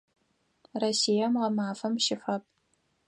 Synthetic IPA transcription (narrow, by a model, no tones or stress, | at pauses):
rɐsijɐmʁɐmaːfɐmʃɪfɐp̚